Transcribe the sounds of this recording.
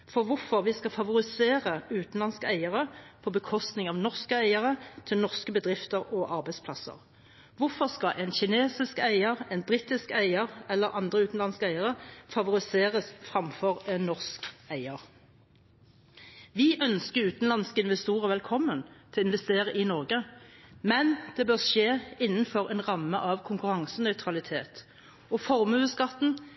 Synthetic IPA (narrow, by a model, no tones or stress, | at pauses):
fɔʁʋʊʁfɔʁʋɪskɑfɑʋʊʁɪseːʁəʉːt̪n̩lɑnskəæɪəʁəpʰɔbəkʰɔst̪nɪŋɑʋnɔʁskəæɪəʁət̪ʰɪlnɔʁskəbəd̪ʁɪft̪əʁɔʔɑʁbæɪspʰlɑsə̰ʁ | ʋʊfɔʁskɑʔɛnçɪneːsɪskæɪəʁɛnbʁit̪ɪskæɪəʁɛlːəʁʔɑnd̪ʁəʉːt̪n̩lɑnskəæɪəʁəfɑʋʊʁɪseːʁəsfʁɑmfɔʁɛnːɔʁskæɪəʁ | ʋɪʔœnskəʉːt̪n̩lɑnskɪnʋɛst̪uːʁəʋɛlkʰɔmːənt̪ʰɪlɪnʋɛst̪eːʁəʔɪnɔʁɡəmɛnd̪̥ɛbœːʁʃeːɪnːn̩fɔʁɛnʁɑmːəʔɑʋkʰʊŋkʉʁɑŋsənœʏt̪ʰʁɑlɪt̪ʰeːt̪ | ɔfɔʁmʉːəskɑt̪n̩